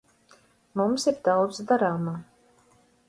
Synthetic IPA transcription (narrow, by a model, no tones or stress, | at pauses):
mumsiɾd̪awd̪zd̪aɾaːmaː